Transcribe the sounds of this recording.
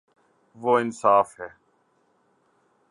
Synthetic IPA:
ʋoːɪnsaːfɦɛː

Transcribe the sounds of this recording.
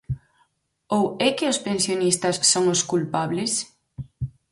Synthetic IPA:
owɛkɪospensjonist̪ɐsːoŋʊskulpaβlɪs

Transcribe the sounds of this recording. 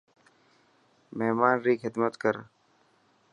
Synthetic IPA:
meɦmaːnɾiːkɦɪd̪mət̪kəɾ

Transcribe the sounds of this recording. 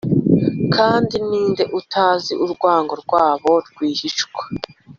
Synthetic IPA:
kʰaːndiniːnde̞ʔutʰaːziʔuɾɡwaːŋɡo̞ɾɡwaːβoɾɡwiːhiʃɡwḁ

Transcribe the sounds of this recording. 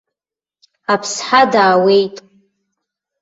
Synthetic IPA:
apʰsħadaːwe̞jtʼ

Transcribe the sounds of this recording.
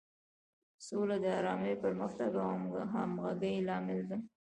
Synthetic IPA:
solad̪əaɾɑmejpəɾməxt̪aɡawmɡa̰ɦa̰mɣaɡəjlɑmɪld̪ə

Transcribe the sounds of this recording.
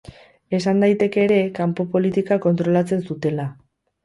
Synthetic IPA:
e̞sand̪ajt̪e̞ke̞ːɾe̞kampo̞po̞lit̪ikako̞nt̪ɾo̞lat͡se̞nsut̪e̞la

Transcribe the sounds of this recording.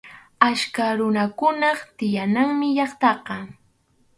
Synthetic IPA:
aʃkaɾʊnakʊnɑχt̪ɪjanaŋmɪʎɑχt̪ɑqɑ

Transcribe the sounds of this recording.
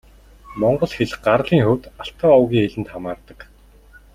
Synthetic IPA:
mɔɴɢɞ̆ɮxeɮɢarɮiːŋxɵwt̪aɬt̪ʰɔːɔwɣʲiːŋeɮɘ̆nt̪χamaːrt̪ə̆k

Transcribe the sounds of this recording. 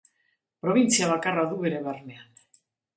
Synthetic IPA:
pɾoβinsjaβakaraðueɾeβernean

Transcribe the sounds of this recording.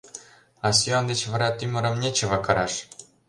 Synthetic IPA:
ɑs̬ʲiond̪ʲet͡ɕvɤ̆ɾɑt̪ymʲɘ̆ɾɤ̆mnʲet͡ɕɤ̆ʋɑkɤ̆ɾɑʂ

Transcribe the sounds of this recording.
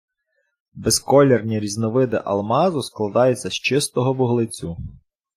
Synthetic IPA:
beskɔlʲernʲiɾʲiznɔʋɪd̪ɪ̰ʔɐ̰lˠmɑzʊsklˠɐd̪ɑjɛt͡sʲːɐst͡ʃɪst̪ɔɦɔbʊɦlˠɪt͡sʲu

